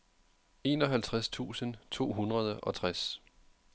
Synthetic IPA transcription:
e̝ːnɒ̽ɦælt͡sʰʁast͡sʰṵːsənt͡sʰo̝̰ːɦunʁɐð̞ˠəʔɒ̽t͡sʰʁas

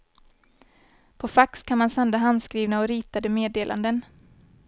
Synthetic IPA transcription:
pʰɔfakskʰanmansand̪aɦand̪skɾiːvnaɔɾiːt̪ad̪əmeːd̪eːlʔa̰nd̪ən

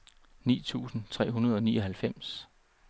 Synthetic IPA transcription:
nḭːt͡sʰṵːsn̩t͡sʰʁɛ̰ːɦunɐð̞ˠɒ̽niːɒ̽ɦælfem̰s

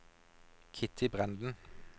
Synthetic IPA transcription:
kʰɪt̪ʰɪbʁænd̪n̩

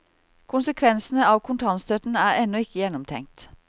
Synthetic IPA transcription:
kʰʊnsəkʰʋɛnsn̩əɑːʋkʰʊnt̪ʰɑnst̪œt̪n̩æːɾɛnɔɪkəjɛnɔmt̪ʰɛ̰ŋt̪

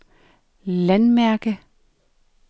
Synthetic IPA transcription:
lænmæɐɡ̥ə

